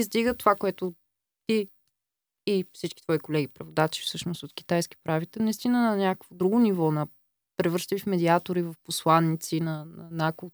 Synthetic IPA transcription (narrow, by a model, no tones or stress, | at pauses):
izd̪iɡət̪ovakoɛt̪ʊ | t̪iː | fsit͡ʃki̥t̪vɔikolɛɡipɾɛvod̪at͡ʃi̥fsɤʃnosot̪kʲi̥t̪ajski̥pɾavit̪ɛnɐist̪inənɐnʲakəkvod̪ɾuɡʊnivɔnɐ | pɾɛvɤɾʃt̪fmɛd̪iat̪oɾivɐfposlˠanːit̪sinɐnɐnako